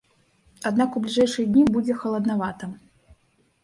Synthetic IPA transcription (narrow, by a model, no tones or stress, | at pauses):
ad̪nakubʲlʲiʐɛjʂɨjɐd̪ʲnʲibud͡zʲɛxɐlˠɐd̪navat̪ɐ